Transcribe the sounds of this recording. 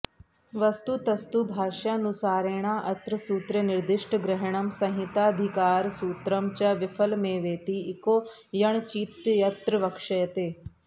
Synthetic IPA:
ʋɐst̪ut̪ɐst̪ubʱaːʃanʊsaːɾeːɽ̃aːʔɐt̪ɾəsuːt̪ɾənɪɾd̪ɪʃʈɡɾɪɦəɽ̃ɐmsɐ̃ɦɪt̪aːɐd̪ʱɪkaːɾsuːt̪ɾɐmt͡ɕɐʋɪfʰəlmẽʋeːt̪iɪkoː | jɐɳ̃t͡ʃiːt̪jɐt̪ɾəʋɐkʂɐjɐt̪eː

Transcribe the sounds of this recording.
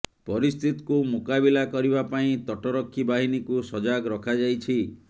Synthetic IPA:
pɔɾist̪ʰit̪i̥kumukabilakɔɾibapaĩt̪ɔʈɔɾɔkʰːibaɦinikusɔd͡ʒaɡɾɔkʰad͡ʒajt͡ʃʰi

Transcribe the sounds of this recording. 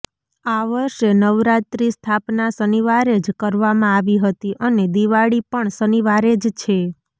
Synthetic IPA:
aʋəɾʃenəʋɾat̪ɾist̪ʰapnasəniʋaɾed͡ʒkəɾʋamãaʋiɦət̪iʔəned̪iʋaɽipəɳsəniʋaɾed͡ʒt͡ʃʰe

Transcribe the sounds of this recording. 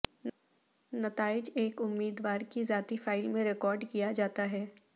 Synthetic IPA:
nɐt̪aːɪd͡ʒeːkʊmːiːd̪waːɾkizaːt̪ifaːɪlmẽɾɪkɔːɾɖkijad͡ʒaːt̪aɦɛː

